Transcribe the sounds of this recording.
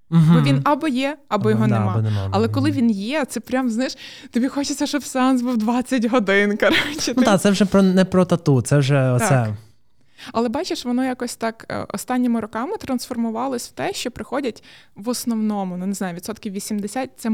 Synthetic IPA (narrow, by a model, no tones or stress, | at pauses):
m̩ɦbɔʋʲinɐbɔjɛɐbɔjɔɦɔnemɑn̰ɐlˠɛkɔlˠɪʋʲinjɛt̪sɛpɾʲamznajɪʃt̪ɔbʲixɔt͡ʃɪt͡sʲɐʃɔbseanz̬buwd̪ʋɑt͡sʲːɐtʲɦɔd̪ɪnkɐɾot͡ʃːɪt̪ud̪at̪sɛwʒɛpɾɔnɛpɾɔt̪ɐt̪ut̪sɛwʒɛɔt̪sɛ | ɐlˠɛbɑt͡ʃeʃʋɔnɔjakɔsʲt̪ɑkɔ̰st̪ɑnʲːɔmʊɾɔkɑmɪt̪ɾɐnsfɔrmʊʋɑlˠɔsʲw̥t̪ɛʃt͡ʃɔpɾɪxɔdʲɐtʲ | ʋɔsnɔwnɔmʊnuneznɑjʊʋʲid̪sɔt̪kʲiwʋʲisʲimd̪esʲat̚ʲt̪sɛ